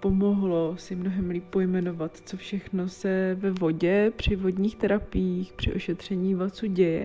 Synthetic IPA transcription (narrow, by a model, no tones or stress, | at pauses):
po̞moɦlo̞sɪmnoɦɛmliːpːo̞jmɛno̞vat̪t͡sofʃɛxno̞sɛvɛvoɟɛpr̝̥ɪvo̞dɲiːxt̪ɛɾapɪjixpr̥ɪ̰ʔo̞ʃɛt̪r̝̥ɛɲiːvat͡suːɟɛjɛ̰